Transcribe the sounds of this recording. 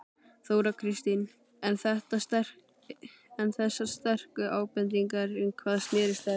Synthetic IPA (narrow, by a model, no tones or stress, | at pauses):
θowɾakʰɾist̪in | ɛnθɛht̪ast̪ɛ̥ | ɛnθɛsːḁst̪ɛr̥kʏʔaːwpɛnt̪ɾiŋkaɾʏnkʰvaːðsnɛːɾɪst̪a